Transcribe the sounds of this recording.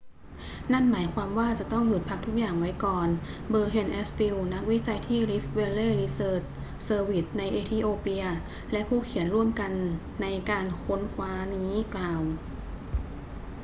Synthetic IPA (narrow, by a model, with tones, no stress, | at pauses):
na˥˩nmaː˩˦jkʰwaː˧mwaː˥˩t͡ɕa˨˩t̪ɔ˥˩ŋju˨˩t̪̚pʰa˦˥k̚t̪ʰu˦˥k̚jaː˨˩ŋwa˦˥jkɔː˨˩nbɤː˧ɦe˧nʔe˦˥sfi˧wna˦˥k̚wi˦˥t͡ɕa˧jt̪ʰiː˥˩ɾi˦˥fwe˧leː˥˩ɾiː˧˥sɤː˨˩t͡ɕ̚ | sɤː˧wi˨˩t̪̚na˧jʔeː˧t̪ʰiː˧˩ʔoː˧pi˧ɐ | lɛ˦˥ʔpʰuː˥˩kʰi˨˩˦ənɾu˥˩əmka˧nː | a˧jkaː˧nkʰo˦˥nkʰwaː˦˥niː˦˥klaː˨˩w